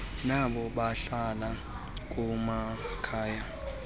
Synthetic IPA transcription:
naɓɔɓaɬala | k̬ʼumakʰaːja

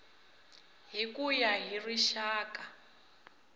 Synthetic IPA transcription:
ɦikujaɦiriʃaːka

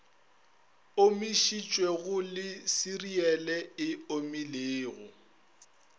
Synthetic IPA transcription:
omiʃit͡ʃʼwɛɣʊlɪsiriɛlɛɪomileːɣʊ̰

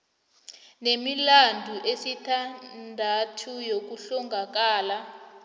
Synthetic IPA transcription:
nemilandʱuʔesitʰandʱatʰujok̬uɬuŋɡʱak̬aːla

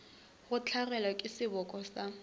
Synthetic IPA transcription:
ɣʊt͡ɬʰarɛlwakʼɪsɪbɔkʼɔsa

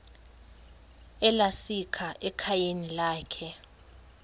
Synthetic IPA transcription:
ɛlasikʰaʔɛkʰajenilaːkʰɛ

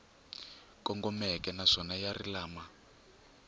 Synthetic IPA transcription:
kʼɔŋɡɔmɛkʼɛnaʂɔnajarilaːma

